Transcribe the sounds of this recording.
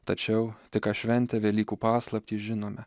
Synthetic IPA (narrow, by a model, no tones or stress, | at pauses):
t̪ɐt͡ʃʲɛʊt̪ʲɪkɑʃʲʋʲɛnʲt̪ʲɛʋʲelʲiːkuːpɑːslˠɐpʲt̪ʲiːʒʲɪnoːmʲɛ